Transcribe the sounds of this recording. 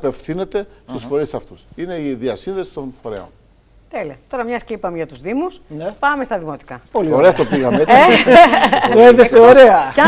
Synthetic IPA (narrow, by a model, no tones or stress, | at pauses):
pe̞fθine̞t̪e̞st̪usfo̞ɾisɐft̪usine̞iðiɐsinðe̞si̥t̪onfoɾe̞̰o̰n | t̪eliɐt̪o̞ɾɐmɲɐscipɐmeʝɐt̪uzðimusnpɐmest̪ɐðimo̞t̪i̥kɐpolioɾeɐt̪opiɣɐmet | tt̪oeðeseoɾeɐɐ